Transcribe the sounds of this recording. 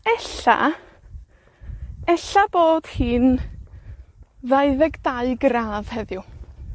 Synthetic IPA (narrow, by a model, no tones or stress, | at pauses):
ɛɬa̰ | ɛɬab̥oːd̥hiːn | ðajðɛɡdaɨɡraːð̥hɛðjʊ